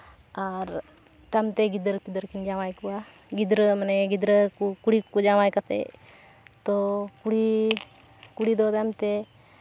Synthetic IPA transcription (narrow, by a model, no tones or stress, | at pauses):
aɾ | t̪amt̪ɛɡid̪əɾpid̪əɾkind͡ʒawajkuwa | ɡid̪ɾəmanɛɡid̪ɾəkukuɽiud͡ʒawajkat̪ɛ̰ | t̪ɔkuɽi | kuɽid̪ɔt̪amt̪ɛ